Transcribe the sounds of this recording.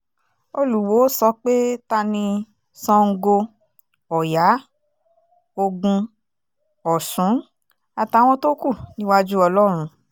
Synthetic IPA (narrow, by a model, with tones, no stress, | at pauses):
o˧lu˨wo˨˦sɔ˧k͡pe˦ta˧nĩ˧ | sɔ̃˧ŋ̩˧ɡo˧ | ɔ˨ja˨˦ | o˧ɡũ˧ | ɔ˨sũ˨˦ | a˨ta˨˧˨w̃ɔ̃˧to˦ku˦˨nĩ˦wa˦d͡ʒu˦ɔ˧lɔ˦ɾ̃ũ˧